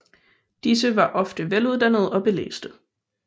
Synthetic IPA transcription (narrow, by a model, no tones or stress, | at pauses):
d̥isəʋɑ̈ʔɒ̽fd̥əʋeluð̞ˠd̥ænð̞̩ˠɒ̽b̥e̝lḛːsd̥ə